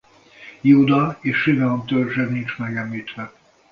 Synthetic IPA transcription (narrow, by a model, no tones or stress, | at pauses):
juːd̪ɒeːʃːivɛomt̪ørʒɛnint͡ʃmɛɡɛmliːt̪ʋɛ